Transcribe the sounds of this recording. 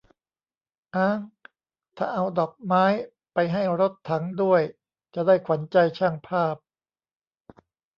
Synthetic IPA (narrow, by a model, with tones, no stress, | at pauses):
ʔaː˧˩ŋ | t̪ʰa̰ː˨˩ʔa˧wdɔː˨˩k̚maː˦˥j | pa˧jɦa˥˩jɾo˦˥t̪ʰːa˩˦ŋdu˥˩əj | t͡ɕa˨˩daː˥˩jkʰwa˩˦nt͡ɕa˧jt͡ɕʰa˥˩ŋpʰaː˥˩p̚